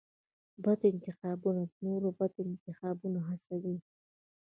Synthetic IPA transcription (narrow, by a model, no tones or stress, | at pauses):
bad̪ɪnt̪ɪxɑbunad̪noɾobad̪ɪnt̪ɪxɑbunaɦasawi